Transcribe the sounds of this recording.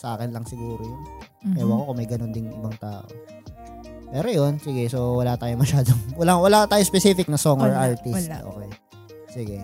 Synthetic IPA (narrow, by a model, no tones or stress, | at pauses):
sɐʔaːkɪnlɐŋsɪɡuːɾojʊn | kɛwɐkokomɐjɡɐnond̪ɪnʔɪ̰bɐŋt̪aːʔo̰ | pɛːɾojonsɪɡɛsowɐlaːt̪aːjomɐʃaːd̪oŋwɐlaːwɐlat̪aːjospɛsifɪk̚nɐsoŋoɹʔaɹt̪ɪsʔo̰kej | siɡɛ